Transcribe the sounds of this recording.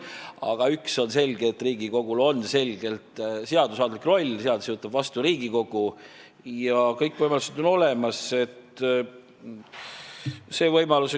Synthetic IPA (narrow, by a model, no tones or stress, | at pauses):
ɑ̰ɡ̥ɑykso̞nse̞lʲɡ̥eːt̪ːriːɡiko̞ɡ̥ulo̞nːse̞lʲɡ̥e̞lt̪seɑd̪usɑːd̪likro̞lʲːseɑd̪usjot̪ːˑɑb̥vɑst̪uɾiːɡ̥iko̞ɡ̥u | jɑkɤjkːvɤjmɑlused̪o̞no̞le̞mɑse̞t̪ | se̞ːvɤjmɑluse